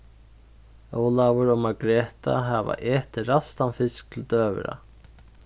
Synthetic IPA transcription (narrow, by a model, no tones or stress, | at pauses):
oːwlavʊɾɔmaɡɾɛːt̪a̰ɦava̰ʔɛːht̪ɪɾast̪anfɪsk̚t̪ʰɪlt̪œːvɪ̰ɾa̰